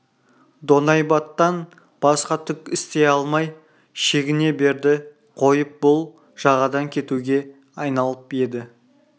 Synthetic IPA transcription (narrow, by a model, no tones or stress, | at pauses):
d̪o̞nɑjbɑt̪ːɑn | b̥ɑsqɑt̪ʰʏkɪst̪e̞ɑlˠmɑj | ʃe̞ɡʲɪne̞be̞ɾd̪ɪ | qʰo̞jəp̚bʊlˠ | ʒ̥ɑʁɑd̪ɑŋkʲʰe̞t̪uɡʲe̞ | ɑjnɑlˠəpje̞d̪ɪ